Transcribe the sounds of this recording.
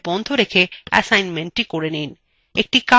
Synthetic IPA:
bɔnt̪ʰoɾekʰeɛ̰sajnmeɳʈʈikoɾenin | ek̚ʈika

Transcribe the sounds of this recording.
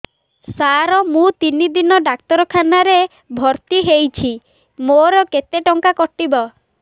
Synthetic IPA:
saɾɔmũt̪inid̪inɔɖak̚t̪ɔɾɔkʰanaɾe | bʱɔɾt̪iɦejt͡ʃʰi | moɾɔket̪eʈɔŋkakɔʈːibɔ

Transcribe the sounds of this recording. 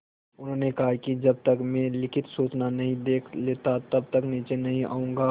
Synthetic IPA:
ʊnɦõːnekɐɦakid͡ʒɐb̚t̪ɐkmẽlɪkʰɪt̪soːt͡ʃnanɐɦĩd̪eːkʰleːt̪at̪ɐb̚t̪ɐkniːt͡ʃenɐɦĩʔa̰ːũːŋɡaː

